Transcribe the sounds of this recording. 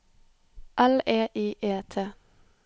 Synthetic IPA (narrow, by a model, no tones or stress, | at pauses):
ʔɐleːʔiːʔeːt̪ʰe